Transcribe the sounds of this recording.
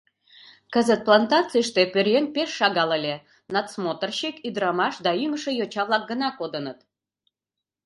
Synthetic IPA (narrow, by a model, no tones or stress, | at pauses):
kəzət̪̚plɑnt̪ɑt͡siʃt̪epørjenpeʃːɑɣɑləlʲe | nɑt̪smot̪ərɕikyd̪ɾɑmɑʃd̪ɑyməʃə̆jot͡ɕɑβlɑk̚ɡənɑkod̪ənət̪